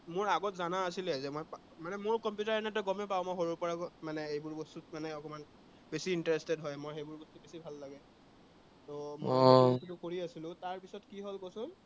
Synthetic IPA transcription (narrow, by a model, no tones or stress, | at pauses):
mʊɹaɡɔtzanaːsilɛzɛmɔjpa | manɛmʊɹkɔmpjutaɹanɛtɔɡɔmɛpaʊ̃mɔjxoɹʊpɔɹakɔmanɛejbʊɹbɔstutmanɛɔkɔman | besiːntaɹestɛdɦɔjmojxejbʊɹbɔstubesibʱalːaɡɛ | tɔmosulʊkoɹiasilʊ̃taɹpisɔtkiɦolkosʊn